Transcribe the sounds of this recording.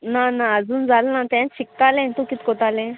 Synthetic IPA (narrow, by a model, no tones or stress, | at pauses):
nanãəd͡zuːnd͡zalnãt̪ãnɕik̚t̪alẽnt̪ũkit̪kot̪alẽ